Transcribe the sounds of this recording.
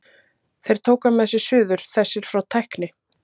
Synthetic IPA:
θejɾ̥t̪ʰoːwkamɛɛsɪ̥sʏːðʏɾ̥θɛsːɪɾ̥fɾawt̪ʰɛhknɪ

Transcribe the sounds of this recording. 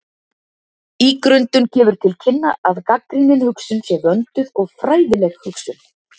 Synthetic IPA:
iːkɾʏnt̪ʏncɛːvʏɾ̥t̪ʰɪlcʰɪnːa̰aðkakɾinɪnhʏksʏnsjɛvœnt̪ʏðɔɣfɾaːjvɪlɛɣhʏksʏn

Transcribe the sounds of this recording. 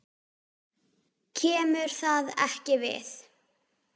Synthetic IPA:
cʰɛːmʏɾ̥θaðɛ̰hcɪvɪ̰θ

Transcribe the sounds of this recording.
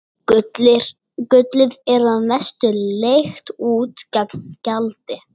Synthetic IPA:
lɪ | kʏt̪lɪðɛɾaðmɛst̪ʏlejxt̪uːt̪cakncalt̪ɪ

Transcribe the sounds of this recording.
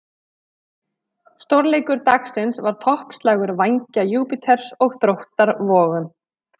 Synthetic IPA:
st̪owɾlejkʏɾt̪aksɪnsvaɾ̥t̪ʰɔhpst̪laːɣʏɾvajɲcajuːpɪt̪ʰɛɾ̥sɔɣθɾowht̪aɾvɔːɣʏn

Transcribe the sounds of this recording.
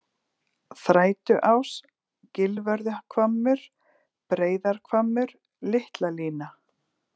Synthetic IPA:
θɾaːjt̪ʏʔaws | cɪlvɛɾðʏkʰvamːʏɾ̥ | pɾeːjðaɾ̥kʰvamːʏɾ̥ | lɪht̪laliːna

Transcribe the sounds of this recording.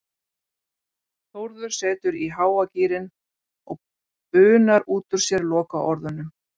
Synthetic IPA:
θowɾðʏɾ̥sɛːt̪ʏɾiɦaːwaciːɾɪn | ɔɣ | pʏːnaɾuːt̪ʏɾ̥sjɛɾlɔːkaʔɔɾðʏnʏm

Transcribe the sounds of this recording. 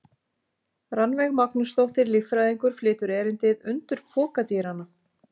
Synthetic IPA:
ranvɛɣmaknʏst̪owht̪ɪɾlifɾaːjðiŋkʏɾ̥flɪːt̪ʏɾɛːɾɪnt̪ɪðʏnt̪ʏɾ̥kʰɔːkat̪iːɾanːa

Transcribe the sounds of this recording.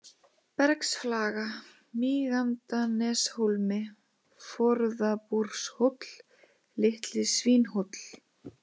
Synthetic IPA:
pɛɾksflaːɣa | miːɣant̪anɛsholmɪ | fɔɾðapuɾ̥shot̪l̥ | lɪht̪lɪsviːnhot̪l̥

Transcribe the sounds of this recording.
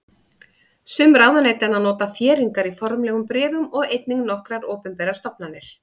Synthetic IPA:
sʏmɾaːwðʏnaːjt̪ɪanaðnɔːt̪aθjɛːɾiŋkaɾifɔɾmlɛːɣʏmpɾɛːvʏmɔɣejt̪̚niŋnɔhkɾaɾoːpʏnpɛːɾast̪ɔp̚nanɪɾ̥

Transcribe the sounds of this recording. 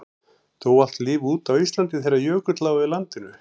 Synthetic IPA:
θoːwal̥t̪lɪːvuːt̪awist̪lant̪ɪθejɾrːajœːkʏt̪laːwvɪɪlant̪ɪnʏ

